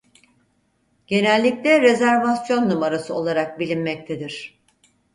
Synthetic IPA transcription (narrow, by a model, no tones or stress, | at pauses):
ɟ̥e̞nɛlʲːiclʲɛɾe̞zæɾvasjo̞nːumaɾasɯo̞lˠaɾak̚bilʲinmɛc̚t̪ʰed̪iɾ̝̥